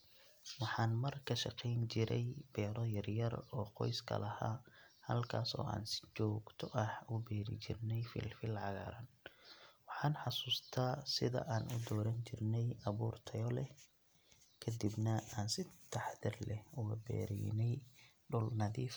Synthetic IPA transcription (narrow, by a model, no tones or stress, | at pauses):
wɑħɑːnmɐrkʰɐʃɑqɛjnt͡ʃɪɾɛjb̥ɛːɾɔjɐrjɐrɔːqɔjskʰɐ̰lɐha̰ːhɐlkʰaːsɔ̰ːa̰ːnsɪ̥t͡ʃɔːɡt̪ʰɔʔɐhʊbɛːɾɪ̰t͡ʃɪ̰rnɛjfḭːlfɪlʕɑɣa̰ːɾɐn | wɑħɑːnħɑsuːst̪ʰaːsɪðɐ̰ʔaːnʊd̪ɔːɾɐnt͡ʃɪrnɛjɐβuːrt̪ʰɐjɔlɛ | kʰɐd̪ibnɐaːnsɪt̪ʰɑħðɪrlɛhʊɣɐ̰bɛ̰ːɾɛ̰jnɛj | ɖʊlnɐðiːf